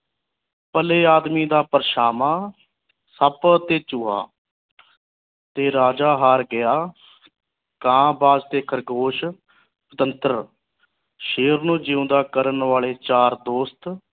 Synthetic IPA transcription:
pəleːaːd̪miːd̪aːpəɾʃaːmaː | səpt̪eːt͡ʃʊːɦa̰ː | t̪eːɾaːd͡ʒaːɦaːɾɡɪjaː | kãːbaːd͡ʒt̪eːkʰəɾɡoːʃ | ʊt̪ənt̪əɾ | ʃeːəɾnũːd͡ʒɪːʊ̃nd̪aːkəɾənʋaːɭeːt͡ʃaːɾd̪oːst̪

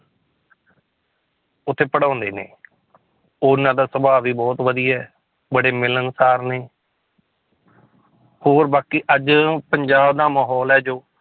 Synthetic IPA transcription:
ʊt̪ʰːeːpəɽãːnd̪ḛːnḛː | ʊnãːd̪aːsəbaːʋiːbɔːt̪ʋəd̪ijɛː | bəɽeːmɪlənsaːɾneː | hoːɾbaːkiːʔəd͡ʒpəɲd͡ʒaːbd̪aːmaːɦɔːlɛːd͡ʒoː

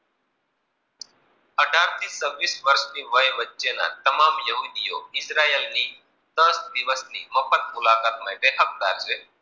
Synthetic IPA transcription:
əɖʱaːɾt̪iːsəʋːiːsʋəɾʃniːʋəjʋətːʃeːnã̰ːt̪əmaːmjəɦuːd̪ijo̰ːɪsɾaːelniː | d̪əsd̪ɪʋəsnḭːməpʰət̪̚mʊlaːkaːt̪̚mãɪ̃t̪eɦək̚d̪a̰ːɾseː

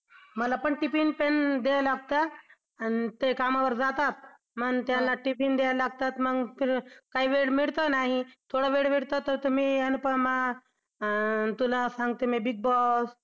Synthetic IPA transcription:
məlapəɳʈipinpend̪ejalaɡ̚t̪aː | nit̪ekamaʋəɾd͡zat̪at̪̚ | mənt̪jalːaʈipind̪ejalaɡ̚t̪at̪məɡfiɾkaiːʋeɽmiɭt̪ənaɦit̪ʰoɽəʋeɽʋiɽt̪at̪ːəɾt̪um̤iːanipəma | t̪ulasãŋɡt̪emibiɡ̚bɔs

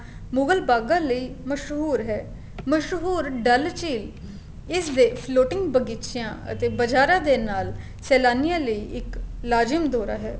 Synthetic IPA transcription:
mʊɡəlbaːɡãːləiːməʃɦuːɾɦɛː | məʃɦuːɾɖəlt͡ʃiːl | ɪsd̪eːpʰloːʈɪ̃ŋɡbəɡiːtʃɪjãːə̰t̪eːbəd͡ʒaːɾãːd̪eːnaːl | sɛːlaːnɪjãːləiːʔɪklaːd͡ʒɪmd̪oːɾa̰ːɦɛː

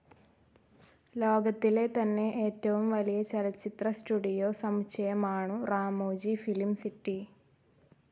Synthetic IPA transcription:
lo̞ːɡɐt̪ːile̞t̪ɐnːe̞ʔeːtːɐʋumʋɐlijɐt͡ɕɐlɐt͡ɕːit̪rɐsʈuɖijoːsɐmɕɐjɐmaːɳuraːmoːd͡ʑifilimsiʈːi

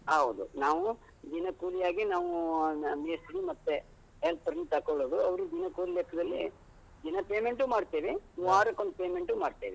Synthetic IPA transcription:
ɦɐʋud̪unaːʋu | d̪inɐkuːlijaːɡinaːʋumeːsɾimɐt̪ːe | ɦelpɐɾnit̪ɐkoɭoːd̪uɐʋɐɾud̪inɐkuːlilɛkʰːɐd̪ɐlːḭ | d̪inɐpeːmeɳʈumaːɖt̪eʋiuaːɾɐkːond̪peːmeɳʈumaːɖt̪eːʋi

